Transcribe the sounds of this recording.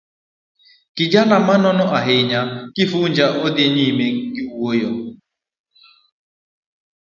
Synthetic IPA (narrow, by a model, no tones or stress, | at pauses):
kɪd͡ʒanamanɔnɔʔaɦɪɲakɪfund͡ʒaʔodɪɲimeɡɪuwojɔ